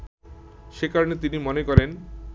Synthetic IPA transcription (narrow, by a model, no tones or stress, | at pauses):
ʃekaɾonet̪inimɔnekɔɾen